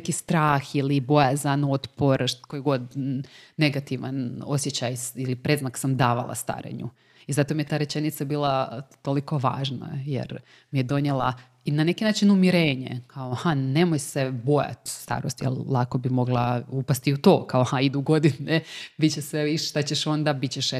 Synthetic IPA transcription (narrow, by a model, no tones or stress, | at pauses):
kist̪ɾaːxilibo̞jazano̞t̪po̞ɾʃkojɡo̞d̪ne̞ɡat̪iʋa̰no̞̰sje̞t͡ɕajilipɾe̞zmaksamd̪aːʋa̰lˠa̰st̪a̰ɾḛɲṵ | izat̪omijet̪aːɾet͡ʃe̞nit̪sabiːlˠat̪oliko̞ʋa̰ːʒna̰jḛɾ | mijed̪o̞ɲelˠa̰ | inane̞kinaːt͡ʃinumiɾe̞ːɲḛkʰaohane̞mojsebo̞ja̰t̪st̪a̰ːɾo̞̰st̪jḛlˠlˠako̞bimo̞ɡlˠaupast̪iut̪o̞ːkaohaid̪uɡo̞d̪inebit͡ɕeseʋiʃʃt̪at͡ɕeʃo̞nd̪abit͡ɕeʃ